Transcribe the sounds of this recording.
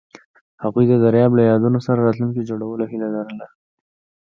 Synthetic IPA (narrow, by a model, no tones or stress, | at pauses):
haɣujd̪əd̪aɾjɑblajɑd̪unosaɾaɾɑt̪luŋkid͡ʒoɽawəloɦilad̪aɾəla